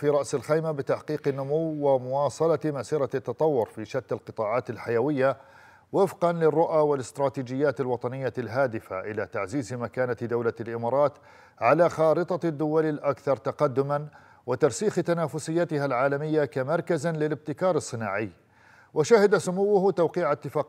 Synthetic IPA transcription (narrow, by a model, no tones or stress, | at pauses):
fiːɾˤɑʔsɪlxijmabɪt̪aħqiːqɪnːʊmuwːwɪmʊwɑːsˤɑlɑmasiːɾɑt̪ːɑt̪ˤɑwːʊɾfiːʃat̪ːalqɨt̪ˤɑːʕɑːt̪ɪlħajawɪjːa | wɪfqɑnlɪrˤːʊʔaːwɪlɪst̪ɾˤɑːt̪iːd͡ʒɪjːaːt̪alwɑt̪ˤɑnɪjːalɦaːd̪ɪfa̰ʔɪlaːt̪aʕziːzmakaːnad̪awlalʔɪmɑːɾˤɑːt̪ | ʕalaːxɑːɾɨt̪ˤɑd̪ːʊwalɪlʔakθɑɾˤt̪aqɑd̪ːʊman | wɪt̪ɑɾˤsiːxt̪anaːfʊsɪjːat̪ɪhalʕaːlamɪjːakamɑɾˤkazlɪlɪb̚t̪ɪkɑːɾˤɨsˤːɨnaːʕɪjː | wɪʃahɪd̪asʊmuwːʊht̪awqiːʕat̪ːɪfaːq